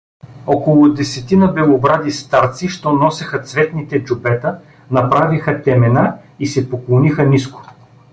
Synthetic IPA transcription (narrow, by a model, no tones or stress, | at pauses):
ɔkolˠʊd̪ɛsɛt̪inəbɛlˠobɾad̪ist̪aɾt̪siʃt̪ɔnɔsɛxət̪svɛt̪nit̪ɛd͡ʒubɛt̪ə | nɐpɾavixət̪ɛmɛnaisɛpoklˠonixəniskʊ̥